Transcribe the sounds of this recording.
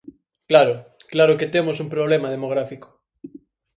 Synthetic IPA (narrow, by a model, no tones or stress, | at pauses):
klaɾʊklaɾʊket̪emosumpɾoβ̞lemað̞emoɣ̞ɾafiko̥